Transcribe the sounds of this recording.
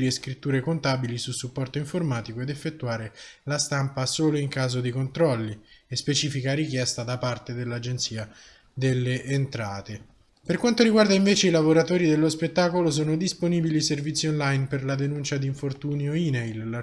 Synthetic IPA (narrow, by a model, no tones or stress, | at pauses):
ɾieskɾit̪ːuːɾekont̪aːbilisusupːɔrt̪oiɱformaːt̪ikoed̪efːet̪ːuaːɾelast̪ampasoːloiŋkaːzod̪ikont̪ɾɔlːiespet͡ʃiːfikaɾik̟jɛst̪ad̪apart̪ed̪elːad͡ʒent̪siːa | d̪elːeʔːnt̪ɾaːt̪e | perkwant̪oɾiɡward̪aiɱveːt͡ʃeilavoɾat̪oːɾid̪elːospet̪ːaːkolos̬oːnod̪isponiːbiliservit̪sionlajnperlad̪enunt͡ʃad̪iɱfort̪uːnioinejlː